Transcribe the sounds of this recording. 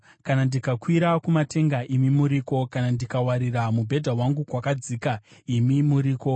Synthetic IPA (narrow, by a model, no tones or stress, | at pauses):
kanandikakwiɾakumate̞ŋɡaʔimimuɾiːko̞kanandikawaɾiramubʱe̞dʱawaŋɡukwakad͡ziːkaimimuɾiːko̞